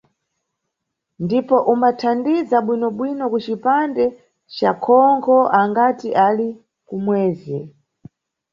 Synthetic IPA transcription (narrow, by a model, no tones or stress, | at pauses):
ndipɔʔumbatʰandizaɓwinɔɓwinɔkut͡ʃipandɛ | t͡ʃa̰kʰɔŋkʰɔʔaŋɡatiʔali | kumwɛːzɛ